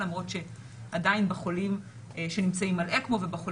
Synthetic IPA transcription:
lamʁo̞tʃe̞ | ʔadainbeχo̞lim | ʃe̞nimt͡saimalʔekmo̞vebeχol

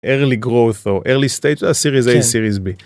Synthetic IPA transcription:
ʔeʁliɡʁoθoʔeʁlist̪ejt̪vasiʁizejsiʁizbi

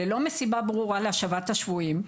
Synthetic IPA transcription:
elo̞me̞sibabʁuʁaleaʃavat̪haʃvuim

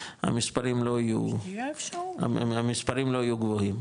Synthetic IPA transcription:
ha̰mispaʁimlo̞ijṵ | a̰amispaʁimlo̞ajuɡvohim

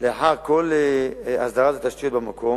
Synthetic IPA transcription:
leaħaʁkolea̰sd̪aʁat̪at̪aʃt̪ijot̪bemakʰo̞

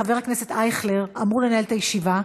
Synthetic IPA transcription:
ave̞ʁhaknese̞t̪ajχleʁamʁulenae̞lt̪ajeʃiva

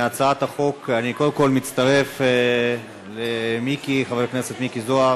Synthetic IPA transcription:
at͡saat̪haχo̞kaniko̞d̪emko̞lmit̪t͡st̪aʁe̞f | lemikiχaveʁkne̞se̞t̪mikizoaʁ

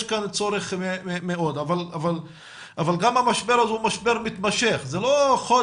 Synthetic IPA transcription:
ʃkant͡soɾeχmeemeo̞d̪avalaval | avalɡamamaʃbeɾazumaʃbeɾmit̪maʃeχzeloχo

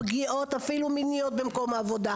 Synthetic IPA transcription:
ɡiʔot̪afiluminijot̪̚bemko̞maːvod̪a

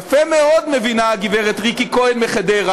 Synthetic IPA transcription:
femeod̪mevinaɡiveʁet̪ʁikikoenmeχed̪eʁa

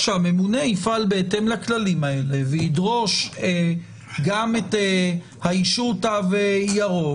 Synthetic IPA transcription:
ʃeame̞mune̞ifalbeete̞mlaklalimae̞le̞veidʁo̞ʃe | ɡamet̪e | haiʃutavejaʁo

